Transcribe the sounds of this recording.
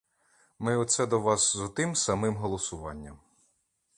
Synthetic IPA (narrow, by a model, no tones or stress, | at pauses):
mɪɔt̪sɛd̪ɔʋɑszɔt̪ɪmsɐmɪmɦɔlˠɔsʊʋɑ̰nʲːɐm